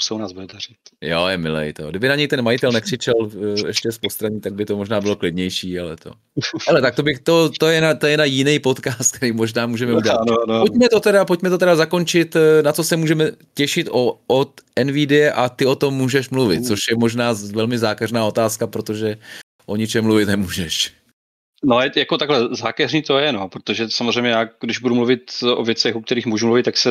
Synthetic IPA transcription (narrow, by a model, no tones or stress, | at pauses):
sownaːzbudɛd̪ar̥it̪joːjɛmɪ̰lɛ̰jt̪o̰ɡdɪbɪnaɲɛjt̪ɛnmajɪt̪ɛlnɛkr̝ɪt͡ʃɛlɛ̰ʃcɛspost̪ɾaɲiːt̪aɡ̚bɪt̪o̞moʒnaːbɪlo̞klɪdɲɛjʃiːalɛ̰t̪o̞̰ | hɛlɛt̪ak̚t̪obɪxt̪o̞t̪ojɛnat̪ojɛnajɪnɛjpo̞t̪kaːst̪̚k̚t̪ɛɾiːmo̞ʒnaːmuːʒɛmɛudɟɛlanpotmɛt̪ot̪ɛdapoc̚mɛt̪o̞t̪ɛɾazako̞nt͡ʃɪt̪nat͡so̞sɛmuːʒɛmɛcɛʃɪt̪ʔoot̪ʔɛnvidɪjɛʔat̪ɪo̞t̪o̞mːuːʒɛʃmluvɪ̰t̪̚t͡so̞ʃjɛmo̞ʒnaːvɛlmɪzaːkɛrnaːo̞t̪aːskapɾo̞t̪o̞ʒɛ | ʔoɲɪt͡ʃɛmluvɪt̪nɛmuːʒɛʃ | noɛjakot̪aɡɦlɛzaːkɛrniːt̪ojɛnopɾot̪oʒɛsamozr̝ɛjmɲɛjaːɡdɪʒbudumluvɪt̪ʔo̰vjɛt͡sɛxuk̚t̪ɛɾiːxmuːʒumluvɪt̪t̪ːaksɛ